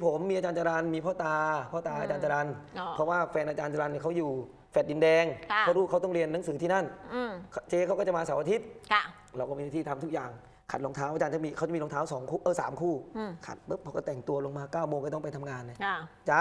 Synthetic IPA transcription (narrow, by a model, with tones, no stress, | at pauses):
pʰo˨˩˦mːi˧ʔa˧t͡ɕaː˧nt͡ɕa˧ɾa˧nmiː˧pʰɔː˥˩t̪aː˧pʰɔː˥˩t̪aː˧ʔaː˧t͡ɕaː˧nt͡ɕa˧ɾa˧nʰɾɔ˦˥waː˥˩fɛː˧nʔaː˧t͡ɕaː˧nt͡ɕa˧ɾa˧nːiː˧˥˩kʰa˦˥˩wjuː˨˩ | fɛ˨˩t̪̚di˧ndɛː˧ŋkaː˧˥˩wɾuː˦˥˩kʰa˦˥˩t̪ɔ˥˩ŋɾi˧ənːa˩˦ŋsɯː˩˦t̪ʰiː˥˩na˥˩n˧˩kʰt͡ɕeː˧ka˦˥wkaː˥˩t͡ɕa˨˩maː˧sa˨˦ʔa˧t̪ʰi˦˥t̪̚ʰ | ɾa˧wkɔ˥˩miː˧naː˥˧˩t̪iː˥˩t̪ʰa˧mt̪ʰu˦˥k̚jaː˨˩ŋ | kʰa˨˩t̪̚lo˧ŋt̪ʰaː˦˥wʔaː˧t͡ɕaː˧t͡ɕa˧˥˩miː˧kʰa˦˥˩t͡ɕmiː˧lŋt̪aː˦˥wsɔː˩˦ŋkʰuː˥˩ʔɤ˧˩sa̰ː˩˦mkʰuː˥˩˧kʰa̰˨˩t̪̚bɤ˦˥p̚ʰːɔ˧kɔ˥˩t̪ɛ˨˩ŋt̪u˧ɐlo˧ŋmaː˧kaː˥˩wmoː˧ŋkɔ˥˩ɔ˥˩pa˧jt̪ʰa˧mŋaː˧nːa˧˩˧t͡ɕa˦˥